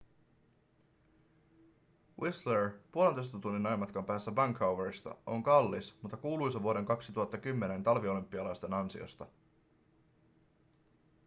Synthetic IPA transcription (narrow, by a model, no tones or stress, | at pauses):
wʔisleɹpuolent̪ojst̪ɑt̪unːinɑjmɑt̪kɑmpæːsːæbæŋkhawʋeɾist̪ɑ̰o̞ŋkɑlːismut̪ːɑkuːlujsɑʋuo̞ɾe̞ŋkɑksit̪uɦɑt̪ːɑkymːe̞ne̞nt̪ɑlʋio̞lympːiɑlɑjst̪e̞nɑnsḭo̰st̪ɑ